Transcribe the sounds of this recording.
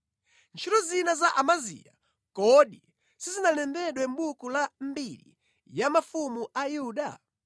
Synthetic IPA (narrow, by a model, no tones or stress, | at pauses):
nt͡ʃʰiɾɔzinazaʔamazḭja | kɔɗi | sizinalɛmbɛɗwɛm̩ɓukulambilḭ | jamafumuʔajuɗa̰